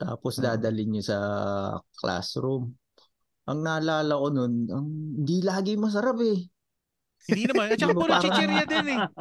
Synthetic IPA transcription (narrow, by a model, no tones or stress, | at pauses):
t̪a̰ːposd̪aːd̪ɐlɪɲosɐ | kla̰sɾum | ʔɐŋnaːlaːlɐkono̞nʔɐŋɪnd̪ilaːɡɪmɐs̬ɐɾapɛ | ɪd̪inɐmanɐmɐpaːɐɛɾjɐd̪ɛnɛ